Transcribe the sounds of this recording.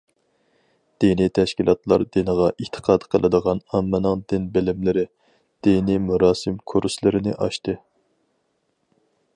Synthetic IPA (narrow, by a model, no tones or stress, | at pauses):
d̪̥enit̪ʰɛʃkʲilˠɑt̪lˠɑ̰ɾd̪enəʁɑʔit̪ʰə̥qʰɑːd̪qʰəlˠɨd̪əʁɑnɑmːɨnɨŋd̪ɪnbɪlɪmlɪɾɪ | d̪̥enimuɾɑːsɨmkʰuɾslˠɨɾɪnɪʔɑʃt̪ɨ